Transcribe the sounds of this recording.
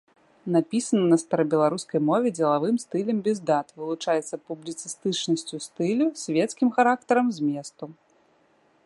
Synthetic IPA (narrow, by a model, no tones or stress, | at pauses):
napʲisɐnɐnɐst̪ɐɾɐbʲɛlˠaɾuskɐjmɔvʲɛd͡zʲɛlˠavɨmst̪ɨlʲɛmbʲɛzd̪at̪vɨlˠut͡ʂajɛt̪sːɐpublʲit̪sɨst̪ɨt͡ʂnɐsʲt͡sʲust̪ɨlʲusʲvʲɛt̪skʲimxaɾakt̪ɐɾɐmzʲmʲɛst̪u